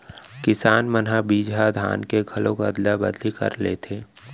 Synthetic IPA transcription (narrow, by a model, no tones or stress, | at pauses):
kɪsaːnmənɦabiːd͡ʒad̪ʱa̰ːnkeɡʱɐlõkad̪labəd̪likɐ̰ɾleːt̪ʰeː